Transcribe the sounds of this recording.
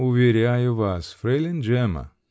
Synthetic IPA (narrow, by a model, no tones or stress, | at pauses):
ʊvʲeɾʲajʊvasfɾelʲɪnd͡ʒɛmɐ̰